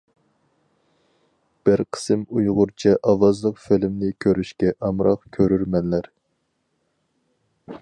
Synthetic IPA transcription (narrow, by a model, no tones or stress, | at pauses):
b̥ɪɾqʰə̥sɨmujʁʊɾt͡ʃʰɛʔɑwɑzlˠəqfɪlɪmnɪkʲʰøɾyʃkʲɛʔɑmɾɑqkʲʰøɾyɾmɛnlæɾ